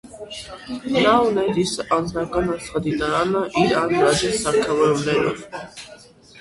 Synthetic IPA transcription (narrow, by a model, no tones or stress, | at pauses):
nawnɛd̪isʔanːaɾɡanat̪sχad̪id̪aanaʔiɾanɾad͡ʒ̪ɛsaɾkʰawɛɾwnɛna